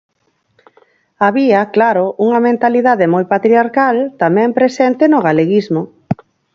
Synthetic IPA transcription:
aβiɐklaɾʊuŋɐmẽnt̪aliðaðemojpat̪ɾiaɾkalt̪amɛ̃mpɾesɛnt̪ɪnʊɣaleɣizmʊ

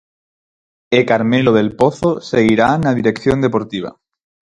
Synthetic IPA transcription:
ekaɾmeloð̞e̞lpo̞θose̞ɣiɾaenaðiɾe̞kθjond̪e̞po̞ɾt̪iβ̞a̰

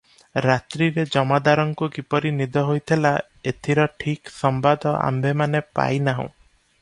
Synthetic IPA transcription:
ɾat̪ɾiɾed͡ʒɔmad̪aɾɔŋkukipɔɾinid̪ɔɦojt̪ʰila | et̪ʰiɾɔʈʰiksɔmbad̪ʱɔʔa̰mbemanepa̰jnaɦṵ̃

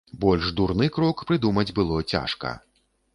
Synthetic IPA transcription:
bɔlʲʐd̪urnɨkɾɔkpɾɨd̪umɐd͡zʲbɨlˠɔt͡sʲa̰ʂkɐ̰

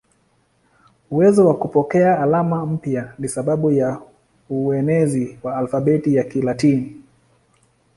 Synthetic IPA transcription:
uwɛzɔwakupɔkɛaːlamam̩pjanisaɓaɓuja | uɛnɛziwaːlfaɓɛtijakilatini

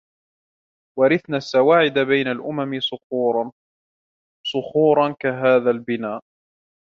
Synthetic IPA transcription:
wɑɾɪθnaːsːawaːʕɪd̪abajnalʔʊmamɪsʊxuːɾ | sˤʊxuːɾˤɑnkaɦaːðalbɪnaːʔ

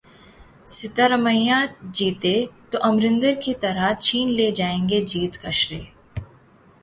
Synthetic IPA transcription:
sɪt̪əɾɐməjãd͡ʒiːt̪et̪oʔɐmɾɪ̃nd̪əɾkit̪ɐɾət͡ʃʰiːnleːd͡ʒaːẽːŋɡed͡ʒiːt̪kɐʃɾeː

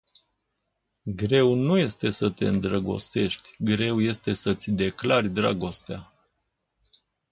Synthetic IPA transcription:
ɡɾe̞wnuje̞st̪e̞sət̪e̞̰ɨnd̪ɾəɡo̞̰st̪e̞ʃt̪ʲɡɾe̞wje̞st̪e̞sət̪sʲd̪e̞klarʲd̪ɾaɡo̞st̪ea

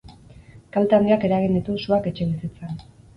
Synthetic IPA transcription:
kalt̪aand̪iake̞ɾaɣ̞ind̪it̪usuake̞t͡ʃe̞β̞isit͡sen

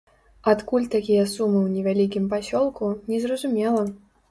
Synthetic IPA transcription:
at̪kulʲt̪akʲijɐsumɨwnʲɛvʲalʲikʲimpasʲɔlˠkunʲɛzrɐzumʲɛlˠɐ

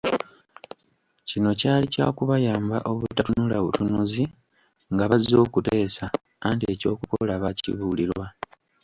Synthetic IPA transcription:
cino̞caːlica̰ːkuβajaːmba̰ʔo̞βutːatunulaβutunuzi | ŋɡaβazo̞ːkute̞ːsa | antie̞co̞ːkukolaβacḭβuliɾwa

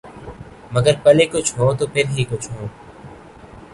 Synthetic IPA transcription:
məɡəɾpəleːkʊt͡ʃʰɦõːt̪oːpʰɪɾɦiːkʊt͡ʃʰɦõː

